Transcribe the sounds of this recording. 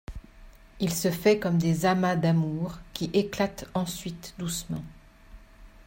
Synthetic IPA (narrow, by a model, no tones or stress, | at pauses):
ilsəfɛkɔmd̪ezamad̪amuʁkʲiʔeklat̪ɑ̃sɥit̪d̪usmɑ̃